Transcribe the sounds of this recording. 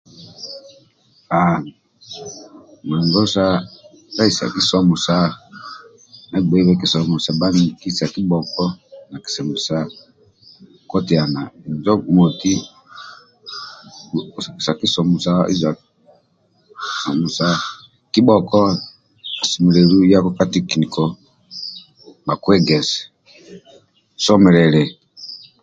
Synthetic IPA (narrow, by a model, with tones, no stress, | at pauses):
a˨ | mu˨ɛ˨ŋɡɔ˦sa˦ | a˦i˨sa̰˨ki˦sɔ˦mu˨sa˦ | na˨ɡ͡bɛ˨˦wɛ˦ki˦sɔ˨mu˨sa˨ba˦n˨ki˦sa˨ki˦ɓɔ˨kɔ˦na˨ki̥˨sɛ˨mu˨sa˦ | kɔ˦ti˨a˨na˨i˨nd͡ʒɔ˦˨mɔ˨ti˦˨ | ski˨sa˨ki˦sɔ˨mu˨sa˦ḭ˦za˨ | sɔ˨mu˨sa˦ | ki˦ɓɔ˨kɔ˦ | i˨si˨mu˨lɛ˨ɾu˦ja˦kɔ˦ka˦ti˦ki˨ni˨kɔ˨ | ba˨kwɛ˦ɡɛ˨zɛ | sɔ˦mɛ˨lɛlɛ˨